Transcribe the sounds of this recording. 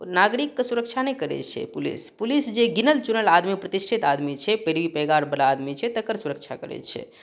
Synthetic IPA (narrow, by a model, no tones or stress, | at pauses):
naɡɾikːəsuɾəkt͡ʃʰanəjkəɾɛ̰t͡ʃʰɛ̰pulḭspulisd͡ʒeɡinəlt͡ʃunəlad̪mipɾət̪isʈʰit̪ad̪mit͡ʃʰɛpeɽʋipɛɡaɾbəlaːd̪mit͡ʃʰɛt̪əkəɾsuɾək̚t͡ʃʰakəɾɛ̰t͡ʃʰɛ̰